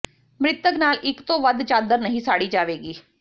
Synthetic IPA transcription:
mɾɪt̪əknaːlʔɪkt̪õːʋəd̪t͡ʃaːd̪əɾnəɦĩːsaːɽiːd͡ʒaːʋeːɡiː

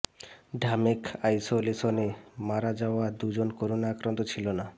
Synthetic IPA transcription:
ɖʱamekajsolesonemaɾad͡ʑaoad̪ud͡ʑonkoɾonaakɾant̪ot͡ɕʰilona

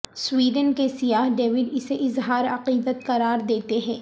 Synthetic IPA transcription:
swiːɖənkesijaːɦɖeːʋɪɖɪseʔɪzɦaːɾɐqiːd̪ət̪̚kɐɾaːɾd̪eːt̪eɦɛ̃ː

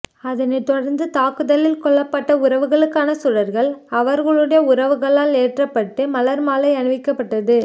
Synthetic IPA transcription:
ɐðɐnɐɪt̪ːɔɽɐɾnd̪ɯt̪aːkɯðɐlɪlkɔɭːɐpːɐʈːɐʊɾɐʋɯɣɐɭɯkːaːnɐsʊɻɐɾɣɐɭɐʋɐɾɣɐɭɯɽɐjɐʊɾɐʋɯɣɐɭaːleːʈrɐpːɐʈːɯmɐlɐɾmaːlɐɪɐnɯʋɪkːɐpːɐʈːɐðɯ

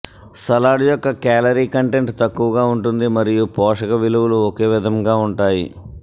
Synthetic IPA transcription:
sɐlaːɽjɔkːɐkaːlɐɾiːkɐɳʈe̞ɳʈt̪ɐkːuʋɐɡaːuɳʈund̪imɐɾijupɔːʂɐkɐʋiluʋuluɔke̞ːʋid̪ʱɐmɡaːuɳʈaːjḭ

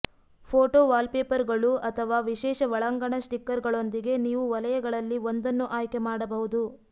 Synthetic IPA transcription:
pʰoːʈoːʋaːlpeːpɐɾɡɐɭuʔɐt̪ʰɐʋaːʋiʃɛːʃɐʋɐɭɐŋɡɐɳɐsʈikːɐɾɡɐɭo̞nd̪iɡe̞niːʋuʋɐlɐjɐɡɐɭɐlːiond̪ɐnːuʔaːjkemaːɽɐbɐɦud̪u

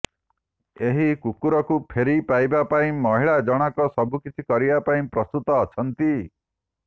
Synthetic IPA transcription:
eɦikukuɾɔkupʰeɾipajbapaĩmɔɦiɭad͡ʒɔɽ̃ɔkɔsɔbʱukit͡ʃʰikɔɾibapaĩpɾɔst̪ut̪ɔːt͡ʃʰɔnt̪i

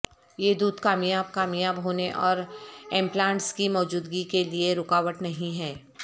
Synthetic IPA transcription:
jed̪uːd̪kaːmjaːb̚kaːmjaːbɦoːneʔɔːɾẽːmplãːɳʈskimɔːd͡ʒuːd̪ɡikelieɾʊkaːʋəʈnɐɦĩɦɛː

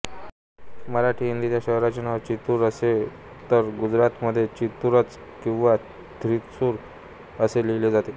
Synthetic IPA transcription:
məɾaʈʰiːɦind̪it̪jaɕəɦɾat͡ɕenaʋəɾt͡ɕit̪uːɾəse | t̪əɾɡud͡zɾat̪məd̪ʱːjet͡ɕit̪uɾət͡s | kĩw̃ʋa | t̪ɾit̪suːɾ | əseleled͡zat̪e

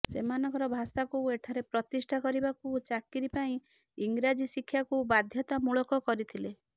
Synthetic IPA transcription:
semanɔ̃ŋkɔɾɔbʱasakueʈʰaɾepɾɔt̪isʈʰakɔɾibakut͡ʃakiɾipaĩ | iŋɡɾad͡ʒisikʰːjakubad̪ʱjɔt̪amuɭɔkɔkɔɾit̪ʰile

